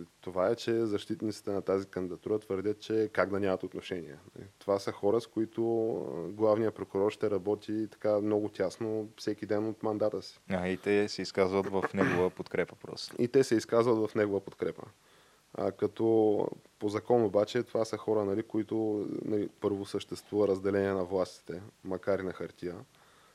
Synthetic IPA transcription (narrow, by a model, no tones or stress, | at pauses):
t̪ovaɛt͡ʃɛzɐʃt̪it̪nit̪si̥t̪ɛnɐt̪azikənd̪id̪ɐt̪uɾət̪vəɾd̪ʲət̪̚t͡ʃɛkaɡd̪ɐnʲamɐt̪ot̪noʃɛnḭɛ̰nɐ̰lḭt̪ovasəxɔɾəskoit̪ʊɡlˠavnijəpɾokʊɾɔɾʃt̪ɛɾɐbɔt̪it̪ɐ̥kamnɔɡʊt̪ʲasnofsɛk̟id̪ɛnot̪mɐnd̪at̪əsi̥ait̪ɛsɛiskazvət̪vɐfnɛɡʊvəpot̪kɾɛpə̥pɾɔ̰st̪it̪ɛsɛiskazvət̪vɐfnɛɡovəpot̪kɾɛpə̰ | kɐt̪ɔpozɐkɔnobat͡ʃɛt̪ovasəxɔɾənɐlikoit̪ʊnɐ̰lipɤɾvosəʃt̪ɛst̪vuvɐɾɐzd̪ɛlɛnʲiɛnɐvlˠast̪i̥t̪ɛmɐkaɾinɐxɐɾt̪ʲijə